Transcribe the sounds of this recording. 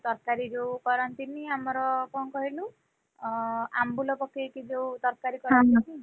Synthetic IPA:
t̪ɔɾkaɾid͡ʒewkɔɾɔnt̪imiamɔɾɔkɔnkɔɦilu | a̰mbulɔpɔkʰːekid͡ʒewt̪ɔɾkaɾikɔɾanɔk̪i

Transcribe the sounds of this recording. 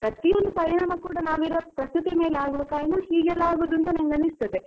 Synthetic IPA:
pɾɐt̪ːijond̪upɐɾiɳaːmɐkuːɽɐnaːʋiɾɐpɾɐst̪ut̪imeːlaːɡuʋɐkaːjɐnɐhiːɡɐlaːɡuʋɐd̪unt̪uneŋɡɐnist̪ɐt̪e

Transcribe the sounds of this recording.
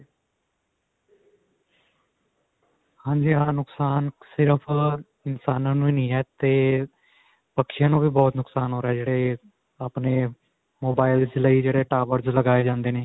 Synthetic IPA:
hãːɲd͡ʒiːaːnʊksaːnsɪɾəpʰ | ɪnsaːnãːnũːiːnĩːɦɛːt̪eː | pəkʃjãːnũːbiːbɔːt̪nʊksaːnɦoːɾɛːd͡ʒeːɽeː | aːpneː | moːbaːɪld͡ʒləid͡ʒeːɽeːʈaːʋəɾzləɡaːeːd͡ʒãːnd̪eːneː

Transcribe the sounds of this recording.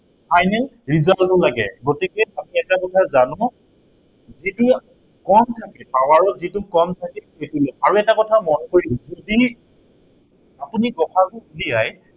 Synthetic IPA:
pʰajnɛl | ɹizaltɔlaɡɛ̰ɡotikejamiɛtakɔtʰazanʊ̃ | zitu | kɔntʰakɛpawaɹɔzitukɔmtʰakɛetulɔaɹuɛtakɔtʰamɔnkoɹizodi | apuniɡɔxakʊuliaj

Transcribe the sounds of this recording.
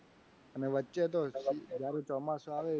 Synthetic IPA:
əneʋətːt͡ʃet̪od͡ʒjaɾet͡ʃɔmasoaʋe

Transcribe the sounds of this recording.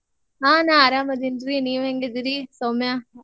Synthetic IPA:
aːnãːɐɾaːmɐd̪inɾiniːʋẽŋɡɐd̪ɪɾisoːmjaː

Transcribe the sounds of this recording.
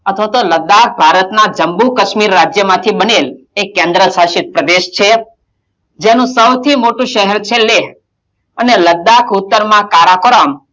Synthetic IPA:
ət̪ʰʋat̪oləd̪ak̚ʰbʱaɾət̪nad͡ʒəmbukəʃmiɾːad͡ʒjəmãt̪ʰibənel | ekːẽnd̪ɾəsaʃit̪̚pɾəd̪eʃt͡ʃʰe | d͡ʒenũsəwt̪ʰimoʈũʃəɦɛɾt͡ʃʰeleɦ | əneləd̪akʰʊt̪ːəɾmãkaɾakoɾəm

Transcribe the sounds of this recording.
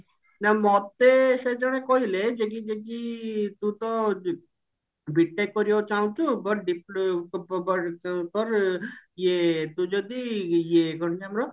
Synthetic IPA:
namɔt̪ːesed͡ʒɔɽ̃ekɔɦiled͡ʒek̬id͡ʒekit̪ũt̪ɔ | bʱiʈːajkɔɾiot͡ʃaw̃t͡ʃʰubɔʈ̚ɖiplbɔpɔɾijet̪ũd͡ʒɔd̪ijeɡʱɔɽt͡ʃamɾɔ

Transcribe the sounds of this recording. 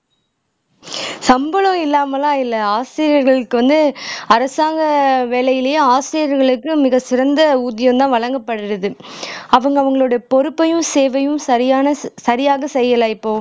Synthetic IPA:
sɐmbɐlɔ̃ɪlːaːmɐlãːɪlːɐaːsɪɾɪɐɾɣɐɭɯkːɯʋɐnd̪ɯɐɾɐsaːŋɡɐʋeːlɐjɪlejeaːsɾɪjɐɾɣɐɭɯkːɯmɪɣɐsɪɾɐnd̪ɐuːðɪjɐ̃nt̪ãːʋɐɭɐŋɡɐpːɐɽɪɾɐðɯɐʋɐŋɡɐʋɐŋɡɐɭoːɽɐjɐpɔɾɯpːɐjɯmseːʋɐjɯmsɐɾɪjaːnɐsɐɾɪjaːɣɐsɛjːɐlaːɪpːoː

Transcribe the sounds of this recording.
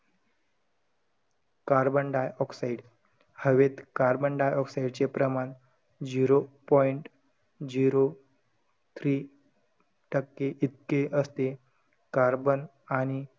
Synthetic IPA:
kaɾbəɳɖajɔksaiɖ | həʋet̪kaɾbəɳɖajɔksaiɽt͡ɕepɾəman | d͡ʑiɾopɔjiɳʈ | d͡ʑiɾo | t̪ʰɾi | ʈəkːeʔit̪̚keʔəst̪e | kaɾbən | aɽ̃i

